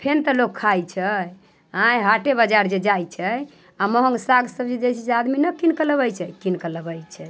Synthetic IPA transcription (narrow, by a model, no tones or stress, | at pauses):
pʰent̪əlokʰːajt͡ʃʰə | ɦãjɦaʈebad͡ʒaɾd͡ʒed͡ʒajt͡ʃʰəj | aməɦəŋɡsaɡsəbd͡ʒed͡ʒejt͡ʃʰɛsead̪minəkinkələβəjt͡ʃʰɛkinkələbəjt͡ʃʰɛ